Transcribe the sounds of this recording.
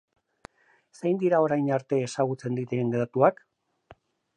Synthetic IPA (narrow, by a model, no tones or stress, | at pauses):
sejnd̪iɾao̞ɾajnaɾt̪e̞ːsaɣut͡se̞nd̪it̪eenɡeðat̪uak